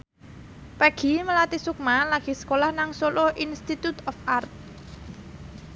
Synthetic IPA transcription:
paɡ̥i̤məlat̪isuk̚malaɡ̥i̤sə̥kolahnaŋsoloʔinst̪it̪ut̪ɔfart̪̚

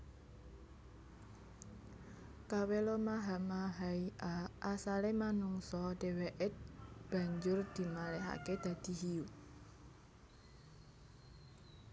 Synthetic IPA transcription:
kawelɔmaɦamaɦaiʔaʔasalemanuŋsɔɖ̥e̤weʔɛt̪̚b̥ä̤ɲd͡ʒʊrd̪̥i̤malɛɦa̰ked̪̥ä̤d̪̥i̤ɦiu

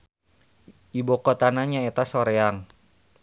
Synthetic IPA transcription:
ibokɔt̪anaɲaet̪asoɾeaŋ

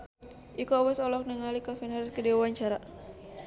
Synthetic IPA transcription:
ʔikɔwɛsɔlɔk̚nəŋalikafɛnaɾɪskədewaɲt͡ʃaɾa

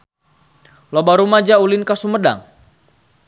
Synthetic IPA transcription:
lobaɾumad͡ʒaulɪnkasuməda̰ŋ

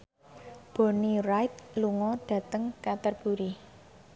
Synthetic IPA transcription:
b̥ɔ̤nirajt̪̚luŋɔd̥a̤t̪əŋkat̪ərb̥ṳɾi

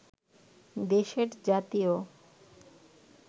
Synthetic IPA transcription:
d̪eʃeɾd͡ʑat̪io

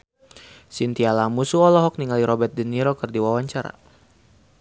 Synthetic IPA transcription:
sint̪ialamusuɔlɔɦɔk̚niŋaliɾɔbɛt̪̚dəniɾokɨrdiwawaɲt͡ʃaɾa̰

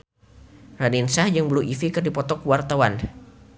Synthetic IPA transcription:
raninsahd͡ʒaŋbəluifikɨrdipɔt̪ɔkwart̪awan

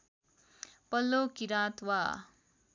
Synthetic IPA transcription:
pʌlːokiɾaːt̪wa

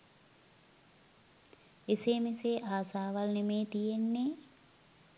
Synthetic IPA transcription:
eseːmeseʔaːsaːʋalnemeːt̪ijenːe

